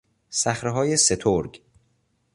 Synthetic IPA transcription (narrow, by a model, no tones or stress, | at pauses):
sæxɾeɦɒːje̞se̞t̪ʰoɾɡ